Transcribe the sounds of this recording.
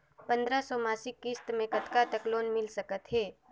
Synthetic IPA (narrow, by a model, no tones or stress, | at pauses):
pə̃nd̪ɾasɔmaːsɪkːɪst̪mẽkət̪kat̪əkloːnmɪlsəkət̪ɦɛː